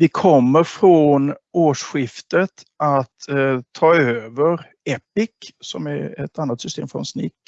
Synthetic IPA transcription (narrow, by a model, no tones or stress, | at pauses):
vɪkʰɔmːəɾfɾɔnoːʂɧɪft̪ət̪ | at̪t̪ʰːɑːøːvəɾ | ɛpɪksɔmæɾɛt̪ʰanːat̪sʏst̪ḛːmfɾɔ̰nsnɪk